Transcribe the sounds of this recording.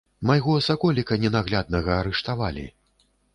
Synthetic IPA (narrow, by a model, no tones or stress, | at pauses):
majɣɔɐsakɔlʲikɐnʲɛnaɣlʲad̪nɐɣɐːɾɛʂt̪avalʲḭ